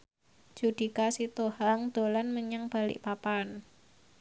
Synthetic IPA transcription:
d͡ʒ̥ud̪̥i̤kasit̪ohaŋd̪̥o̤lanməɲaŋb̥a̤lɪ̰ʔpapan

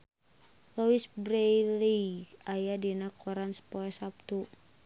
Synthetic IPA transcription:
lowisbɾejliajadinakʰɔɾansə̥pɔɛsap̚t̪u

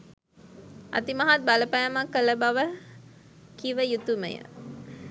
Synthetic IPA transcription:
a̰t̪imaɦat̪̚baləpæjamakːələbaʋə | kiʋəjut̪umə̰jə̰

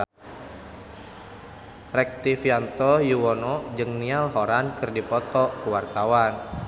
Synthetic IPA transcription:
rɛk̚t̪ifiant̪ɔjuwɔnɔd͡ʒɨŋnialɦoɾankɨrdipɔt̪ɔkəwart̪awan

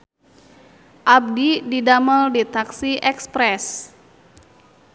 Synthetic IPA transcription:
ʔab̚dididaməldit̪aksiʔɛkspɾɛs

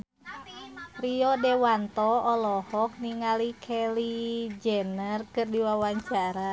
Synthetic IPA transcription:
riɔdɛwant̪ɔɔlɔhɔk̚niŋalikʰɛlid͡ʒɛnərkɨrdiwawaɲt͡ʃaɾa

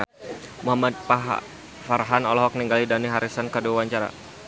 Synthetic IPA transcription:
muɦamat̪̚paɦa̰ | faɾaɦanɔlɔɦɔk̚niŋɡalidaniɦaɾisankaduawaɲt͡ʃaɾa̰

